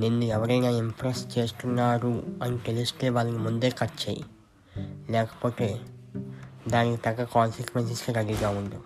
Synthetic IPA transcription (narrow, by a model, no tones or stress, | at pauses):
nenːuɛʋɐɾɐjnaːimpʰɾesʈt͡ʃe̞ːst̪unːaːɾuɐnik̪eliust̪e̞ːʋaːlɐnimund̪e̞ːkɐt͡ʃeːjḭ | lɛːkɐ̥po̞ːt̪e̞ː | d̪aːnikit̪ɐɡːɐkaːnsikʋensiskiɾɐɡiɡaːund̪i